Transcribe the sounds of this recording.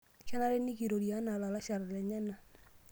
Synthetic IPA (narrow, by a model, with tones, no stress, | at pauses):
kɛ˦na˦ɾɛ˦ni˦ki˨ɾo˨ɾja˨˦na˨la˨la˦ʃa˨ɾlɛ˨ɲa˦na˨